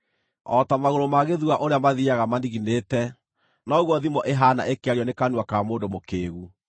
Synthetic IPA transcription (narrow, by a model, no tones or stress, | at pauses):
ɔtamaɣoɾomaɣeðuaʔoɾeamaðiaɣamandiɣinetɛ | nɔɣwɔðimɔʔeɦana̰ʔekeaɾjɔnekanwakamoːndomokeːɣu